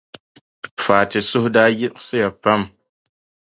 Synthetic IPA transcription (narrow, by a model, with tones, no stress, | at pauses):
faː˨tɪ˨sʊ˦hdaː˦jɪ˦ʔsɨ˦ja˨pa˦m